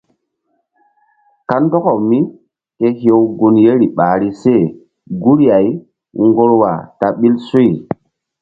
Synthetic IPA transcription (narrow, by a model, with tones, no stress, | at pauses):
ka˦ndɔ˦kɔ˨mi˦ | ke˦hje˨wɡu˨nje˦ɾi˨ɓaː˨ɾi˦se˦˨ | ɡu˦ɾja˨j | ŋɡo˦ɾwa̰˨ta˨ɓi˦lsu˦j